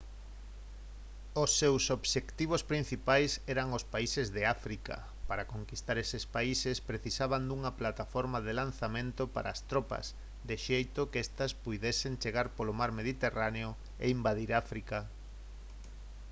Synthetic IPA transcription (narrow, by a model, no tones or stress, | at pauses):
osːewsoβʃekt̪iβ̞ospɾin̟θipajsɛɾaŋospaisezðeafɾika̰ | paɾakoŋkist̪aɾɛsespaisespɾeθisaβand̪uŋɐplat̪afɔɾmaðelan̟θamẽnt̪opa̰ɾʔa̰ːst̪ɾɔpɐ̰s | d̪eʃejt̪ʊkɛst̪ɐspujðesent͡ʃeɣaɾpolomaɾmeðit̪eraneo | ḛimbaðiɾafɾika